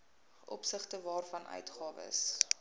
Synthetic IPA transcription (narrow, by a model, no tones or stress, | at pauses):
ʔɔ̰psəχtəvɑːrfɐnʔœ̰ɥtχɑːvə̰ə̰s